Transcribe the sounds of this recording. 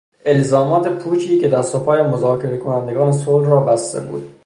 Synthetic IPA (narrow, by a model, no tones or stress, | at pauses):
e̞lzɒːmɒːt̪ʰe̞pʰuːt͡ʃʰiːke̞d̪æɾsopʰɒːjemozɒːkʰe̞ɾekʰonænd̪eɡɒːnesoːlɾɒːbæst̪e̞̰bṵːd̪̥̚